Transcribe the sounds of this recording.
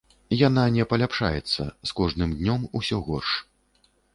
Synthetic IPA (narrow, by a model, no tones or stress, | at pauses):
jananʲɛpɐlʲapʂa̰jɛt̪sːɐ̰skɔʐnɨmd̪ʲnʲɔmusʲɔɣɔrʂ